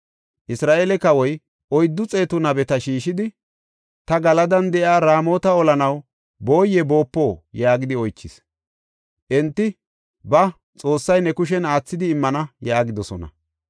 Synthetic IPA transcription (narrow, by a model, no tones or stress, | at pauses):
ʔɪsɾaːʔeːlɛkɐwɔj | ʔɔjd̪ːʊt͡sʼe̞ːt̪ʊnɐbɛt̪ɐʃiːʃɪd̪ɪ | t̪ɐɡɐlɐd̪ɐnd̪ɛʔjaːɾaːmo̞ːt̪ɐɔlɐnɐw | bo̞ːjɛbo̞ːpːo̞ːjaːɡɪd̪ɪɔjt͡ʃːɪs | ʔɛnt̪ːɪ | bɐ | t͡sʼo̞ːsːɐjnɛkʊʃ̬ɛnaːt͡sːɪd̪ɪːmːɐnɐjaːɡɪd̪ɔsɔnɐ̰